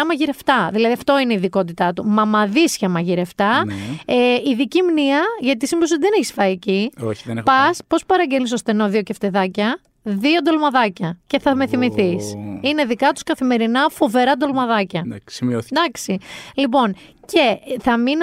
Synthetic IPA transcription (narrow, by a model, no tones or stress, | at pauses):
ɐmɐʝiɾe̞ft̪ɐðilɐðiɐft̪o̞ineiðiko̞t̪̬it̪ɐt̪umɐmɐðisçɐmɐʝiɾe̞ft̪ɐeiðicimniɐʝɐt̪̬isimbs̬ot̪iðeneçisfɐieciopɐspo̞spɐɾɐɲɟelis̬o̞st̪e̞no̞ðio̞ceft̪e̞ðɐcɐ | ðio̞d̪o̞lmɐðɐcɐce̞θɐme̞θimiθisine̞ðikɐt̪u̥skɐθime̞ɾinɐfo̞ve̞ɾɐd̪o̞lmɐðɐcɐid̪ɐksilipo̞nce̞θɐmin